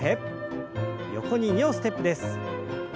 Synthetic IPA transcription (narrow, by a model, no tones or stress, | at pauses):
epː | jo̞̰ko̞ɲ̟iɲʲioːsɨ̥t̪e̞pːɯd̪e̞sɨ̥